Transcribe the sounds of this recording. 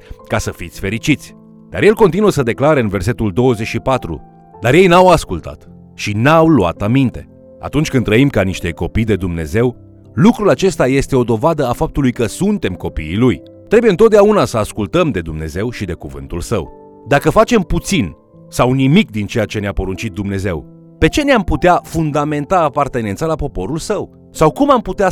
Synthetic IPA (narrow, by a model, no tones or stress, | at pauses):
kasəfit̪sʲfe̞ɾit͡ʃit̪sʲ | d̪a̰ɾje̞lko̞nt̪inuəsəd̪e̞klaɾeɨnve̞rse̞t̪uld̪o̞wəzet͡ʃʃipat̪ɾṵ | d̪arje̞jnawaskult̪a̰t̪ | ʃinawlua̰t̪amint̪e̞ | a̰t̪unt͡ʃʲkɨnːɾəimkaniʃt̪e̞ko̞pijd̪e̞d̪umne̞ze̞w | lukɾulat͡ʃe̞st̪aje̞st̪e̞o̞d̪o̞vad̪əafap̚t̪ulujkəsunt̪e̞mko̞pḭːluj | t̪ɾe̞bujent̪ot̪̚d̪eaunasəaskult̪əmd̪e̞d̪umne̞̰ze̞wʃid̪e̞kuvɨ̰nt̪ulsə̰w | d̪akəfat͡ʃe̞mput̪sin | sawnimikd̪int͡ʃe̞jat͡ʃe̞neapo̞ɾunt͡ʃit̪̚d̪umne̞ze̞̰w | pe̞t͡ʃe̞neamput̪eafund̪ame̞nt̪aːpart̪e̞nent̪salapo̞po̞ɾulsəw | sawkumamput̪ea